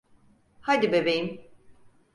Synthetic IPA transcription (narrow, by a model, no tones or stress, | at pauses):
had̪ibebe̞jim